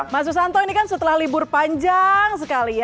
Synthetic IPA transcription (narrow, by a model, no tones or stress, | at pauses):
mas̬us̬ant̪ɔinikansət̪əlahlibʊrpaɲd͡ʒaŋsəkalija